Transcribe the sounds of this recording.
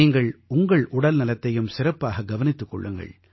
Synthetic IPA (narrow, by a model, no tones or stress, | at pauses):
iːŋɡɐɭʊŋɡɐɭʊɽɐlnɪlɐt̪ːɐjɯmsɪrɐpːaːɣɐɡɐʋɐnɪt̪ːɯkːɔ̰ɭːɯŋɡɐ̰ɭ